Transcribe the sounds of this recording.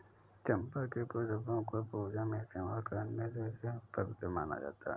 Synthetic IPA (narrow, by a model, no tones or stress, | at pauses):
t͡ʃə̃mpakepʊsəbõkopuːd͡ʒamẽt͡ʃeakənmẽsesepəɾɪt̪ma̰ːna̰d͡ʒa̰ːt̪a̰ɦɛ